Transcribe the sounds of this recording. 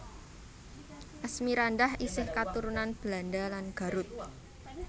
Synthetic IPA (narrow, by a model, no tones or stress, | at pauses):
ʔasmiɾandahisɪhkat̪uɾunanb̥landalanɡ̥a̤ɾʊt̪̚